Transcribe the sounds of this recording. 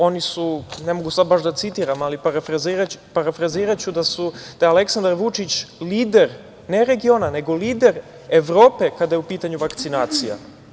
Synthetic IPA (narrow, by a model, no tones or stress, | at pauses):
o̞nisunemo̞ɡusad̪̚baʃd̪at̪sit̪iːɾamalipaɾafɾaziɾaupaɾafɾaziːɾat͡ɕud̪asud̪̥aale̞ksand̪aɾʋut͡ʂit͡ɕliːd̪eɾ | ne̞ɾe̞ɡio̞ːnaneɡo̞liːd̪e̞ɾ | eʋɾo̞ːpe̞kad̪ajeupiːt̪aɲuʋakt̪sinaːt̪sija̰